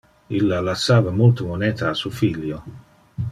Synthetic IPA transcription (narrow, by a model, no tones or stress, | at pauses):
ilːalasːaːvamult̪omonɛːt̪aːsufiʎːjo